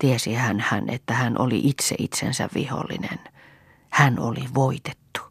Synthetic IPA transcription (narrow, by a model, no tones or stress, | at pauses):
t̪iesihænhænḛt̪ːæhænʔoliʔit̪sḛʔit̪sḛnsæ̰ʋʋiho̰lːḭnḛn | hænoliʋoit̪et̪ːu̥